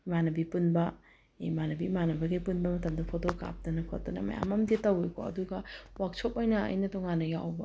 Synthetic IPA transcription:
manɐbipunbɐ | emanɐbimanɐbɐɡijpunbɐmɐtɐmdɐpʰowdoka̰p̚dɐnɐkʰo̰t̚tɐnɐ̰mɐ̰ja̰mɐmditɐwejkʰo̰ɐ̰duɡɐwak̚t͡ʃʰopojnɐɐ̰jnɐtoŋanːɐjawbɐ

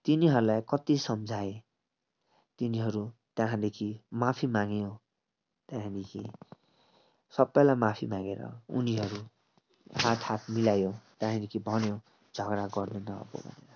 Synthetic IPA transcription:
t̪iniɦʌɾulajkʌt̪isʌmd͡zʱae | t̪iniɦʌɾut̪jãɦãd̪ekʰimapʰimaŋjõ | t̪jãɦĩnikʰḭ | sʌbːʌjlamapʰimãɡeɾʌ̰ṵniɦʌɾu | hat̪ʰat̪milajõt̪jãɦĩlikʰibʱʌnjõ | d͡zʱʌɡɾaɡʌrnenʌ̰ːbo̰bʱʌ̰nḛɾʌ

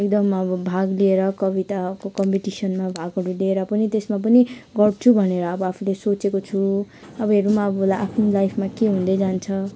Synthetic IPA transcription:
ekd̪ʌmʌbʌbʱaɡlieɾʌkʌbit̪akokʌmpiʈisʌnmabʱaɡʌɾulieɾʌpʌnit̪esmap̬ʌniɡʌrt͡sʰubʱʌneɾʌːbʌapʰulesot͡sekot͡sʰu | ʌbʌɦeɾumaʌbʌlajʔapʰnilajpʰmakeɦũnd̪ʌjd͡zant͡sʰʌ

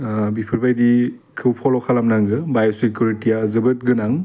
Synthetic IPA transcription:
bipʰɯɾbajdi | kʰɯwpʰɔlɔkʰalamnaŋɡɯbajsikjuɾitijazɯbɯt̚ɡɯnaŋ

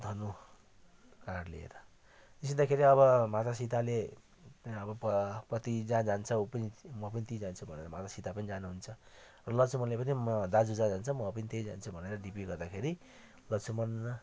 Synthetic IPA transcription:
d̪ʱʌno | karlḭḛɾʌ | t̪ised̪akʰeɾiʌβʌmat̪asit̪ale | ʌbʌpprʌt̪id͡zãd͡zant͡sʰʌupʌnimʌp̬ʌnit̪id͡zant͡sʰubʱʌnḛɾʌmat̪asit̪apʌnid͡zanuɦunt͡sʰʌ | rʌlʌsʰumʌnlepʌnid̪ad͡zud͡zãd͡zant͡sʰʌmʌpʌnit̪ejd͡za̰nt͡sʰubʱʌneɾʌɖipiɡʌrd̪akʰeɾi | lʌsʰumʌn

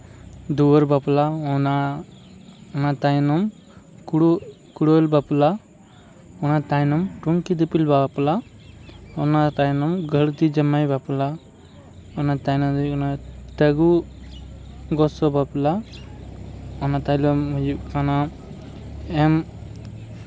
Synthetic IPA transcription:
d̪uwɔɾbaplaɔna | ɔnat̪ajnɔm | kɽ | kuɽolbapla | ɔnat̪ajnɔmʈuŋkid̪ipilbapla | ɔnat̪ajnɔmɡʱəɽt̪id͡ʒəmajbapla | ɔnat̪ajnɔd̪ɔnat̪əɡu | ɡɔsɔbapla | ɔnat̪ajlɔmiɔna | em

